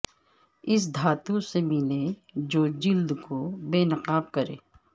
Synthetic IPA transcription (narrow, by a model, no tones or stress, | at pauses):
ɪs̬d̪ʱaːt̪ũsemɪled͡ʒoːd͡ʒɪld̪kobeːnɐqaːb̚kɐɾḛː